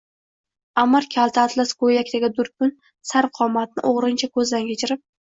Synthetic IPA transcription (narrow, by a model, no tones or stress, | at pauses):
amːaɾkʲʰalˠt̪ʰaːt̪laskʰojakʲt̪aɡʲɪd̪ʊɾkʊn | saɾfqʰɒmːat̪nɪ̰ʔoʁɾɪnt͡ʃʰakʰɵzd̪ankʲʰet͡ʃʰɪɾɪp̚